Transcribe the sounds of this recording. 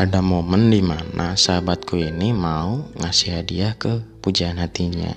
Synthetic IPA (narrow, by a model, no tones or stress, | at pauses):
ʔadamoməndimana̰saabat̪̚kuinimauŋasiɦadiahkəpud͡ʒaːnɦat̪iɲa̰